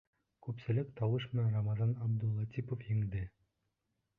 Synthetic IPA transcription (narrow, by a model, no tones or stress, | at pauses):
kʉpsɘ̆lɘkt̪ɑwɤʃmɘ̆nænrɑmɑzɑnɑbd̪ulˠɑt̪ʲipofjɘ̆ŋd̪ɘ